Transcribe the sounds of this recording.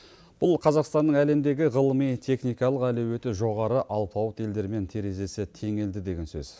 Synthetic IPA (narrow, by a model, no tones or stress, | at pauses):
b̥ʊlˠqʰɑzɑqst̪ɑnːəɴæle̞md̪e̞ɡʲɪʁəlˠəmijt̪ʰe̞χnijkɑlˠəqælewet̪ɪʒo̞ʁɑɾəʔɑlˠpʰɑwət̪e̞ld̪e̞ɾme̞nt̪ʰeɾe̞ze̞sɪt̪ʰe̞ŋe̞ld̪ɪd̪e̞ɡʲe̞nsø̰z̥